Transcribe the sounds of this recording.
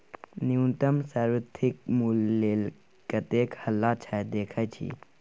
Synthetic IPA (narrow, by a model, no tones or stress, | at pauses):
niunt̪əmsaːɾʋət̪ʰɪk̚mulːeːl | kət̪eːkhəlːat͡ʃʰad̪eːkʰat͡ʃʰḭː